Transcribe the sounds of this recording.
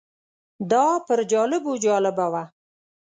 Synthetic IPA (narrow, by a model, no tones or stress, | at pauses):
d̪ɑpəɾd͡ʒɑlɪbud͡ʒɑlɪbawa